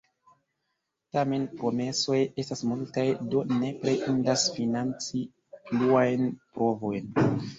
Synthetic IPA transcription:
tame̞npɾo̞me̞so̞je̞stasmultajdo̞ne̞pɾeʔindasfinant͡si | pluajnpɾo̞vo̞jn

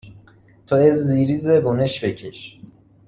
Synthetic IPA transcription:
t̪ʰoezːiːɾizeboneʃbecʰeʃ

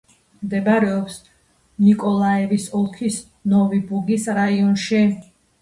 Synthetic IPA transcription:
md̪ɛbaɾɛɔps | nikʼɔlˠaɛvisɔlˠkʰis | nɔvibuɡisɾaiɔnʃi

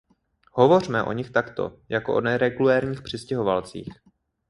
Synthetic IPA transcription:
hovo̞r̝mɛʔo̞̰ɲɪxt̪akt̪o̞̰jakoʔonɛɾɛɡulɛːɾɲiːxpr̝̥ɪscɛɦo̞va̰lt͡sḭːx

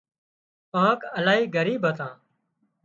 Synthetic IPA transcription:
pãːkəlaːɦiːɡʱəɾiːbʱət̪ãː

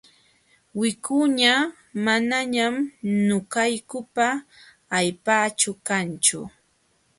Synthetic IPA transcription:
wɪkʊɲa | manaɲamnʊkajkʊpaː | jpaːt͡ʃʊkant͡ʃʊ̰

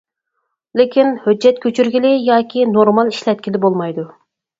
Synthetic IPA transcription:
lɪkʲinhød͡ʒːɛt̪̚kʲʰøt͡ʃʰyɾɡʲilɪjɑːkʲʰinoɾmɑlˠiʃlɛt̪̚kʲilɪbolˠmɑjd̪u

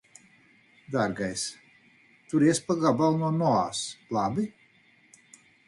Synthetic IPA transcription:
d̪aɾɡajs | t̪uɾiɛsʲpaɡabalˠnuɔnɔa̰ːslˠabi

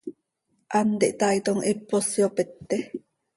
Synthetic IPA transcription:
ʔant̪eʔt̪ait̪oŋʔepːosjopet̪ːe

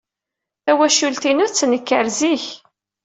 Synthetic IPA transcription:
θæwæʃult̪inʊɾt͡sːnəkːəɾziç

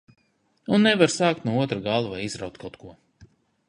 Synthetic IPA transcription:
unːɛvaɾsaːkt̪nuɔuɔt̪ɾaɡalˠuvajizɾawt̪kawt̪kʰuɔ

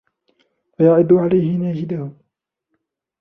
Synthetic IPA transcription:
fajaʕɪd̪ʊʕalajhɪnaːd͡ʒɪd̪ahʊ

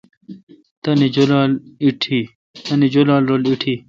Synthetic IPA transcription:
t̪ɐnid͡ʑolaːliʈʰi | t̪ɐnid͡ʑolaːlɾoːliʈʰiː

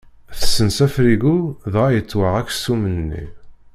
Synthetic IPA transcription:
θə̥sːənsæfɾiɡuðʁajət͡sːwəʁækːsumənnːḭ

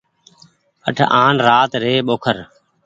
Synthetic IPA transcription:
ə̰ʈʰʔaːnɾaːt̪ɾeːɓoːkʰəɾ

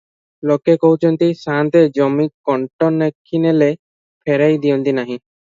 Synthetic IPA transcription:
lokekɔɦut͡ʃʰɔnt̪isãnt̪ed͡ʒɔmikːɔɳʈɔnekʰːinele | pʰeɾajd̪ijɔnt̪inaɦĩ

